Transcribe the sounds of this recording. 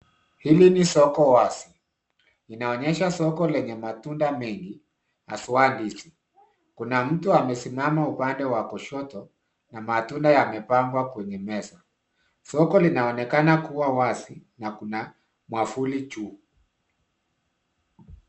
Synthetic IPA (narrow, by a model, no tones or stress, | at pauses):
hilinisɔkɔwasi̥ː | naɔɲɛʃasɔkɔlɛɲɛmatundamɛŋɡi | ha̰suwandisi | kunam̩tuamɛsimamaupandɛwakɔʃɔtɔ | namatundajamɛpaŋɡwakwɛɲɛmɛsa | sɔkɔlinaɔnɛkanakuwawasinakuna | mwafulit͡ʃuː